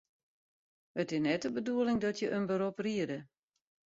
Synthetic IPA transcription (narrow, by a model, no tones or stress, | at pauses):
ətɪsnɛtəbəduəlɪŋdɔtjəʔənbəɾopriədə